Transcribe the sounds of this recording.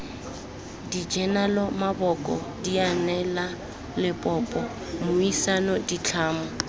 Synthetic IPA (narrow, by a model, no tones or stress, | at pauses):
did͡ʒɛnalɔmabɔkʼɔ̰dianɛla | lɪpʼɔːpʼɔ | mʊisanɔdit͡ɬʰaːmɔ